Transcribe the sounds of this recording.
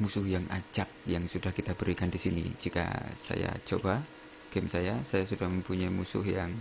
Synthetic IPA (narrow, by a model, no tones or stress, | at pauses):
musʊhjaŋʔad͡ʒak̚jaŋsudahkit̪abəɾikandisinḭd͡ʒika̰sa̰ja̰t͡ʃoba | ɡ̥ɛmsajasajasudahməmpuɲaimusʊ̰hjaŋ